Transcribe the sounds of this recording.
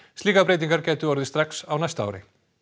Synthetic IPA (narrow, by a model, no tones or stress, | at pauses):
st̪liːkapɾejt̪iŋkaɾcɛːt̪ʏɔɾðɪst̪ɾaksawnajst̪a̰wɾɪ̰